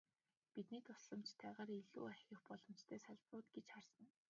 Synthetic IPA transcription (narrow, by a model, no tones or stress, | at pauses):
pit̪niːt̪ʰʊ̥sɮə̆mt͡ɕt̪ʰæːʁaːɾiɮṵːæxʲɪ̆xpɔɮɞ̆mt͡ɕt̪ʰeːsaɮprʊːt̪̚ɡet͡ɕχarsə̆n